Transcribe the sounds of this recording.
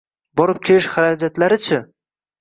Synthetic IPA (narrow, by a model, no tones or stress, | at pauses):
bɒɾɪp̚kʲʰe̞lɪʃχaɾad͡ʒat̪laɾɪt͡ʃʰɪ